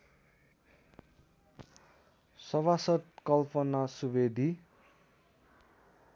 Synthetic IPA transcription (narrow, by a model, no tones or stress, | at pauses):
sʌβasʌt̪̚kʌlpʌnasubed̪ʱi